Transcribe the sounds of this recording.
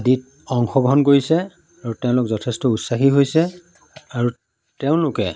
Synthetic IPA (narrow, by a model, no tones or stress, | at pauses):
adit̚ | ɔŋxɔɡɔɦɔnɡoɹisɛ | aɹutɛʊ̃lʊkzɔtʰɛstɔutsaxiɦojsɛ | aɹu | tɛʊ̃lʊkɛ